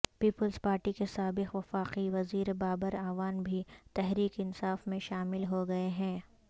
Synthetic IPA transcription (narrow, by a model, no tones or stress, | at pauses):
piːpəlzpaːɾʈikesaːbɪqʋɐfaːqiʋɐziːɾebaːbəɾaːʋaːnbʱit̪ɛɦɾiːkɪnsaːfmẽʃaːmɪlɦoɡɐeɦɛ̃ː